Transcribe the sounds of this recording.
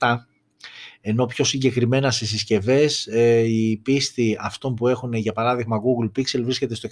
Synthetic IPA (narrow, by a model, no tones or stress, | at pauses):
ɐ | e̞no̞pço̞siɟe̞kɾime̞nɐsesisce̞ve̞sipist̪iɐft̪o̞npue̞xuneʝɐpɐɾɐðiɣmɐɣuɣlpikse̞lvɾisce̞t̪e̞st̪o